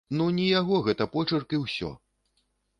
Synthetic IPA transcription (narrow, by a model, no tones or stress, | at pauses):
nunʲijaɣɔɣɛt̪ɐpɔt͡ʂɐrkɨwsʲɔ̰